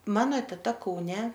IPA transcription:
ˈmɑːnoː tʲɛˈtɐ kɐʊˈnʲɛ

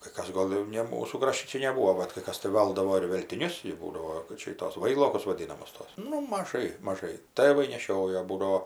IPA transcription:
kɐɪ ˈkɐs ˈɡoːlˠ jɛʊ ˈnʲɛ ˈmuːsuː ˈkrɑːʃʲtʲɪ ˈt͡ʃʲɛ nʲɛˈbuːoː bɐt kɐɪ ˈkɐs tɐɪ ˈʋɐlˠdɐʋoː ɪr ʋʲɛlʲtʲɪˈnʲʊs jɛʊ ˈbuːdɐʋoː kɐt ˈt͡ʃʲɛ ɪ ˈtoːs ˈʋɐɪlˠoːkʊs ʋɐˈdʲiːnɐmʊs ˈtoːs ˈnʊ mɐˈʒɐɪ mɐˈʒɐɪ ˈtɘʋɐɪ nʲɛˈʃʲoːjoː ˈbuːdɐoː

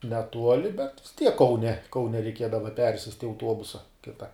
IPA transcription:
nʲɛˈtuɔlʲɪ bʲɛt ʋʲɪs tʲiɛk kɐʊˈnʲɛ kɐʊˈnʲɛ rʲɛɪˈkʲiɛdɐʋɐ ˈpʲɛrʲsʲɪsʲtʲ ɪ ɐʊˈtuɔbʊsɐ ˈkʲɪtɐ

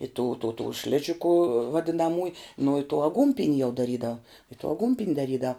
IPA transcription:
ɪ tuː tuː tuː ˈʃʲlʲɪʒʲɪkʊ ʋɐdʲɪnɐˈmuːj nʊ ɪ tuː ɐˈɡuːnʲpʲɪnʲ jɛʊ dɐˈrʲiːdɐw ɪ tuː ɐˈɡuːnʲpʲɪnʲ dɐˈrʲiːdɐw

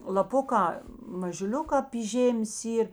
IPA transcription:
lˠɐˈpʊkɑː mɐʒʊˈlʲʊkɑː pʲiː ˈʒʲeːmʲeːs ˈiːr

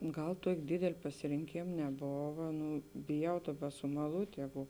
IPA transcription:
ˈɡɐlˠ ˈtuɔkʲ ˈdʲeːdʲɛlʲ pɐsʲɪrʲɪŋʲˈkʲeːm nʲɛˈboːʋɐ ˈnʊ bʲɪˈjɛʊ ˈdɑːˌbɐ sʊmɐˈlˠuːtʲ ˈjæːɡʊ

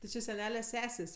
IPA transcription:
tʲɪ ˈt͡ʃʲɪ sʲɛˈnʲæːlʲɛ ˈsʲæːsʲeːsʲ

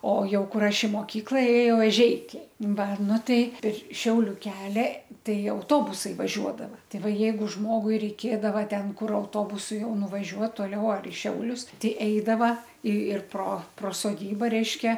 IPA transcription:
oː ˈjɛʊ ˈkʊr ˈɐʃ ɪ moːˈkʲiːklˠɐ eːˈjɛʊ ɛˈʒʲɛɪkʲɛɪ ˈʋɐ ˈnʊ ˈtɐɪ ɪr ˈʃʲɛʊlʲʊ ˈkʲæːlʲɛ ˈtɐɪ ɐʊˈtoːbʊsɐɪ ʋɐˈʒʲuɔdɐʋɐ ˈtɐɪ ˈʋɐ ˈjɛɪɡʊ ˈʒmoːɡʊɪ rʲɛɪˈkʲeːdɐʋɐ ˈtʲɛn ˈkʊr ɐʊˈtoːbʊsʊ ˈjɛʊ nʊʋɐˈʒʲuɔt toːˈlʲɛʊ ɐr ɪ ˈʃʲɛʊlʲʊs ˈtʲɛɪ ˈɛɪdɐʋɐ ɪ ɪr proː proː soːˈdʲiːbɐ ˈrʲɛɪʃʲkʲɛ

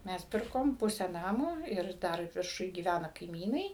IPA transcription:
ˈmʲɛs ˈpʲɪrkoːm ˈpʊsʲæː ˈnɑːmoː ɪr ˈdɐr ʋʲɪrˈʃʊj ɡʲiːˈʋʲænɐ kɐɪˈmʲiːnɐɪ

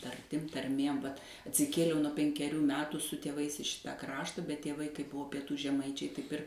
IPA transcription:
tɐrʲˈtʲɪm tɐrʲˈmʲeːm ʋɐt ɐtʲsʲɪˈkʲeːlʲɛʊ nuɔ pʲɛŋʲkʲɛˈrʲuː ˈmʲæːtuː sʊ tʲeːˈʋɐɪs ɪ ˈʃʲɪtɐ ˈkrɑːʃtɐ bʲɛt tʲeːˈʋɐɪ kɐɪp ˈbʊʋoː pʲiɛˈtuː ʒʲɛˈmɐɪt͡ʃʲɛɪ ˈtɐɪp ɪr

